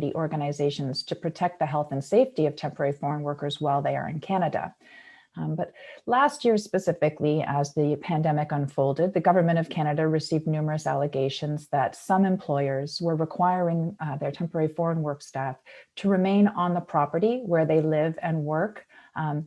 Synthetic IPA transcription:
ɾḭʔɔɹɡɨnɨzeɪʃɨ̃nz̥tʰɨpʰɹ̥ɨtʰɛk̚t̪̚ðɨɦɛlˠθɨ̃n̩seɪftiʌv̥tʰɛ̃mpə˞ɛɹifɔɹə̃nwɜ˞kə˞zwaɪlˠðeɪə̰˞ɨ̰̃nkʰæñɨɾɨ̰ | bʌt̚læst̚jɪɹspɨsɪfɨkliəzðɨpʰæ̃ndɛmɨkə̃nfoʊlˠdɨd̪̚ðɨɡʌvə˞mɨ̃ɾ̃ʌv̥kʰæñɨɾɨɹɨsivdⁿnʉmə˞ɨsæ̰lˠəɡeɪʃɨ̃nzðɨtsʌ̃mɨ̃mpʰl̥ɔɪə˞zwə˞ɹɨkʰw̥aɪɹɪ̃ŋðə˞tʰɛ̃mpə˞ɛɹifɔɹə̃nwɜ˞kstæftʰɨɹɨmẽɪ̃nə̃nðəpʰɹ̥ɑpə˞ɾiwə˞ðeɪlɪvɨ̃nwɜ˞k

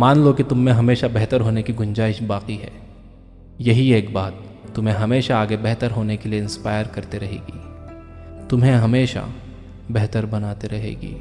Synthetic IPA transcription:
maːnlokit̪ʊmːẽɦɐmeːʃabɛɦt̪əɾɦoːnekiɡʊ̃ɲd͡ʒaːɪʃbaːqiɦɛ̰ː | jɐɦieːkbaːt̪ː | ʊmɦẽɦɐmeːʃaːɡebɛɦt̪əɾɦoːnekelieɪ̃nspaːɪjəɾkɐɾt̪eɾɐɦḛːɡiː | t̪ʊmɦẽɦɐmeːʃa̰ | bɛɦt̪əɾbɐnaːt̪eɾɐɦḛːɡḭː

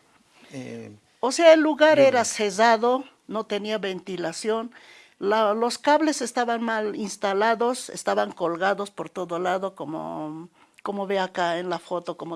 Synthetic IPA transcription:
oseaelːuɣaɾe̞ɾasezaðo̞ | no̞t̪e̞niaβe̞nt̪ilasjo̞n | lalo̞skaβle̞se̞st̪aβanmalinst̪alaðo̞sḛst̪aβaŋkolɣaðo̞spo̞ɾt̪o̞ðolaðo̞komo̰ | komoβeakaenlafo̞t̪o̞komo

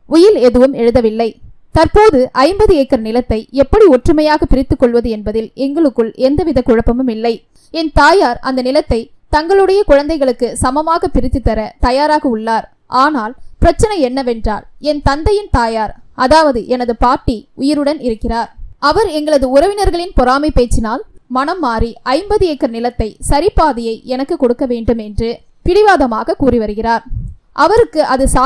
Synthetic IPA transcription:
ʊjɪlɛðɯʋɯmɛɻɯðɐʋɪlːɐɪ | t̪ɐɾpoːðɯʔɐɪmbɐðɯɛːkːɪɾɐnɪlɐt̪ːɐɪɛpːɐɽiɔʈrɯmɐjaːɣɐpɪɾɪt̪ːɯkːɔɭʋɐðɯɛnbɐðɪlɛŋɡɐɭɯkːɯɭɛnd̪ɐʋɪðɐkːʊɻɐpːɐmɯmɪlːɐɪ | ɛnt̪aːjaːɾɐ̰nd̪ɐnɪlɐt̪ːɐɪ | t̪ɐŋɡɐɭɯɽɐjɐkʊɻɐnd̪ɐɪɣɐɭɯkːɯsɐmɐmaːɣɐpɪɾɪt̪ːɯt̪ːɐɾɐt̪ɐjaːɾaːɣɐʊɭːaːɾ | ʔaːnaːlpɪɾɐt͡ʃːɐnɐɪɛnːɐʋɛndra̰ːlɛnt̪ɐnd̪ɐjɪnt̪aːjaːɾʔɐðaːʋɐðɯʔɛnɐðɯpaːʈːiʊjɪɾɯɽɐnɪɾɯkːɪraːɾɐʋɐɾɛŋɡɐɭɐðɯʊɾɐʋɪnɐɾɣɐɭɪnpɔɾaːmipeːt͡ʃːɪnaːlmɐnɐmːaːɾiʔɐɪmbɐðɯɛkːɐɾnɪlɐt̪ːɐɪsɐɾɪpːaːðɪjɐɪʔɛnɐkːɯkːɔɽɯkːɐʋeːɳɖɯmɛndrɯ | pɪɽɪʋaːðɐmaːɣɐkuːrɪʋɐɾɯɣɪraːɾ | ʔɐʋɐɾɯkːɯʔɐðɯsa

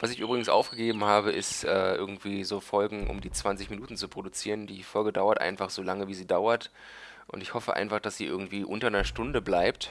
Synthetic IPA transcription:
vasɪçʔyːbʁɪɡŋ̩sʔa̰ʊfɡ̥əɡeːbm̩haːbəʔɪstʔɛːʔɪɐɡŋ̩tv̥iːzoːfɔlɡŋ̩ʔʊ̰mdiːt͡sv̥ant͡sɪçminuːtn̩t͡supʁ̥odut͡siːʁəndiːfɔlɡədaʊɐtʔa̰ɪnfaχz̥oːlaŋəviːziːdaʊɐt | ʔʊ̰ntɪçhɔfəʔa̰ɪnfaχd̥asz̥iːʔɪɐɡŋ̩tv̥iːʔʊntɐnɐʃtʊndəblaɪp̚t

